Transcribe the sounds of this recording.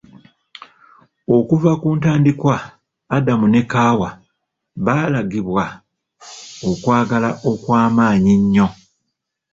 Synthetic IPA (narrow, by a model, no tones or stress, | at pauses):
o̞kuvakuːntaːndikwaː | damune̞kaːwa | βalaɡiβwa | okwaːɡalaʔo̞kwaːmaːɲiɲːo̞